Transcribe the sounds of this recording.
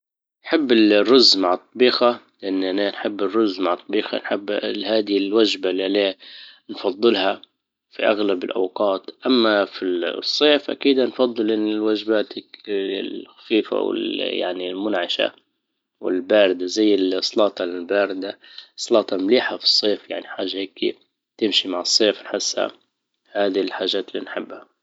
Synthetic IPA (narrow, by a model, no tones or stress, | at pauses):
nħɪbːɪlrːʊzːmaʕt̪ˤːɑbiːxalʔanːʔananħɪbːɪrːʊzːmaʕt̪ˤːɑbiːxa̰nħɪbːhaːd̪ilwad͡ʒbalːialeːnfɑd̪ˤːɨlha | fiʔaɣlabɪlʔa̰wqɑːt̪ʔamːafisˤːeːfʔa̰kiːd̪anfɑd̪ˤːɨlʔɪnːɪlwad͡ʒbaːt̪ | xḁfiːfa̰wɪ̰lja̰ʕnilmʊnʕaʃa̰ | wɪ̰lbaːɾɪd̪azajːɪlsˤlɑːt̪ˤɑlɪlbaːɾɪd̪asˤːɑlɑːt̪ˤɑmliːħafi̥sˤːeːfjaʕniħaːʒːaheːki | t̪ɪmʃimaʕɨsˤːeːfnħɪsːha̰ | haːd̪ilħaːʒːaːt̪lːḭːnħɪbːha